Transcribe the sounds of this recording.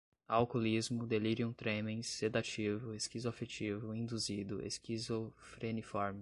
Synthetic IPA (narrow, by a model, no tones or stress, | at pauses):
awkolizmʊd̪eliɾiũt̪ɾẽmẽj̃sːed̪at͡ʃivʊeskizafet͡ʃivʊĩnd̪uzid̪ʊʔḛskizofɾenifɔɾmi